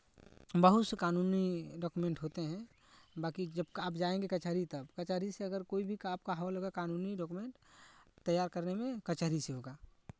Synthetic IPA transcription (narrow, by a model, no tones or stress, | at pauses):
bəɦʊt̪sekaːnuːniɖɔːkumẽɳʈɦoːt̪eɦɛ̃ | baːkid͡ʒəbkaːpd͡ʒaːẽŋɡekɐt͡ʃaːɾit̪ɐbkɐt͡ʃaɾiseɐɡəɾkoːibʱikaːp̚kaɦaloɡakaːnuːniɖɔːkumẽɳʈt̪ːəjːaːɾkəɾnemẽkɐt͡ʃaɦɾiseɦoːɡaː